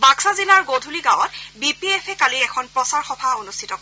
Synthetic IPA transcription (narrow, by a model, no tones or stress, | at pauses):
baksazilaɹɡodʱuliɡãw̃ɔtbipiɛpʰɛkaliɛkʰɔnpɹɔsaɹxɔbʱaonustʰitɔk